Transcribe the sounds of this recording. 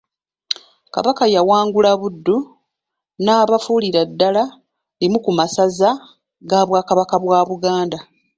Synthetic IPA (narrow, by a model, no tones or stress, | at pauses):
ka̰βakajawaːŋɡulaβudːu | naːβafuːliɾadːala | limukumasaza | ɡaːβwaːkaβakaβwaːβuɡaːnda